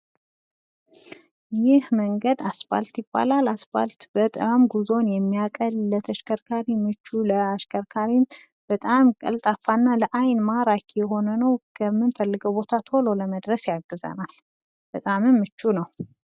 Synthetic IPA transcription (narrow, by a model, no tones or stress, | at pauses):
jɪhməŋɡəd̪asba̰lt̪jɪbːa̰lalasba̰lt̪b̥ət̪ʼɨmɡuzo̞njɛmːijakʼəllət̪ʰəʃkʰəɾkʰaɾimɨt͡ʃːuləaʃkʰəɾkʰaɾim | b̥ət̪ʼamkʼə̰lt̪ʼafːanːaləʔajnmaɾakʰjɛɦo̞nənəwkʰəmːɨnfəlːɨɡəwbo̞t̪ʰat̪ʰo̞lo̞ləməd̪ɾəsjaɡːɨzə̰nal | b̥ət̪ʼamɨmːɨt͡ʃːunəw